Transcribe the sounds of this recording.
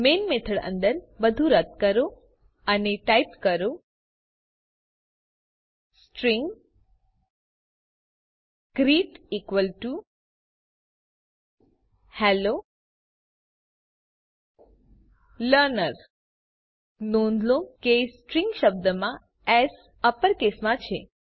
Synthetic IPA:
menmet̪ʰəɽə̰̃nd̪əɾbəd̪ʱuɾət̪̚kəɾo | aniʈajpkəɾo | sʈɾĩŋɡ | kɾiːʈikʋəlʈu | hɛlo | ləɾnəɾ | nõnd̪lõkesʈɾĩŋɡʃəb̚d̪əmã | ɛs | əpəɾkesmãt͡ʃʰe

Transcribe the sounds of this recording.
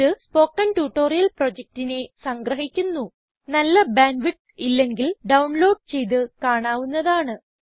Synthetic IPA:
ɨspo̞ːkːɐnʈuːʈːo̞ːrijɐlprod͡ʑek̚tine̞sɐŋɡrɐɦikʲːunːu | nɐlːɐbaːnʋiʈ | ilːe̞ŋɡilɖɐwɳlo̞ːɖ̚t͡ɕe̞jt̪̬ɨkaːɳaːʋunːɐðaːɳɨ

